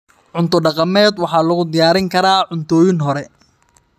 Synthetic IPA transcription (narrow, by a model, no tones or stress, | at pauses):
ʕʊnt̪ʰɔɖɑqɑmɛːd̪wɑħɑːlɐɣʊd̪ɪjaːɾɪŋkʰɐɾaːʕʊnt̪ʰɔːjɪnɦɔɾɛ